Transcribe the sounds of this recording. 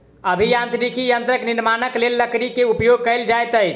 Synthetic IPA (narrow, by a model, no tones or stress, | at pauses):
əbʱijãnt̪ɾikijənt̪ɾəkniɾmanəklelːəkɽikeupjoɡ̚kəɪld͡ʒajt̪əjt͡ʃʰ